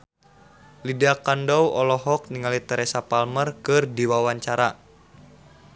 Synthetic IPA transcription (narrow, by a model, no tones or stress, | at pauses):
lideakandɔwɔlɔɦɔk̚niŋalit̪ɛɾɛsapalmərkɨrdiwawaɲt͡ʃaɾa